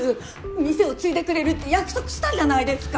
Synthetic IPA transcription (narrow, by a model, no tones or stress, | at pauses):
ɯ | mʲise̞o̞t͡sɨit̪e̞kɯ̟ɾe̞ɾɯ̟t̪ːe̞jakɯ̥so̞kɯ̟ɕi̥t̪ãɲʑanaid̪e̞sɨ̥ka